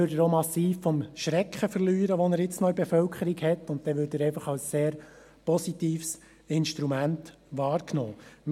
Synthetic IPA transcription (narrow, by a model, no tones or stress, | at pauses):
ødəɾomɑsiːffɔmʃɾɛkχəfəɾlyːɾəʋonəɾjɪt͡snɔibefœlkʰχəɾiɡhɛtːʊntt̪ɛʋʏːdəɾɛɪfɑχɑlsseːɾ | pɔsitiːfs | ɪnʃtɾumænt | ʋɑːɾknɔːm